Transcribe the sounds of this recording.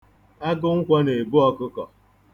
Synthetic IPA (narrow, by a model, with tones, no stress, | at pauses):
a˦ɡʊ˦ŋ̩˦kʷɔ˦ne˨bʊ˦ɔ˦kʊ˦kɔ̰˨